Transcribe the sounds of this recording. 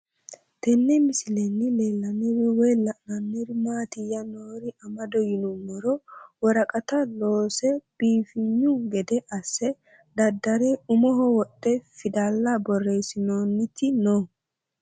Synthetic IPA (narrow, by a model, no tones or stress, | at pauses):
t̪ɛnːɛmɪsɪlɛnːɪleːlːɐnːɪwɪwɛlɐʔnɐnːɪɾmaːt̪ɪjɐnoːɾɪʔɐmɐd̪ɔjɪnʊmːɔɾɔwɔɾɐkʼɐt̪ɐloːsɛb̥iːfɪɲːʊɡɛd̪ɛʔɐsːɛ | d̪ɐd̪ːɐɾɛʊmɔɦɔwɔt̪ʼːɛfɪd̪aːlːɐbɔrːesɪnoːnːɪt̪ːɪnoː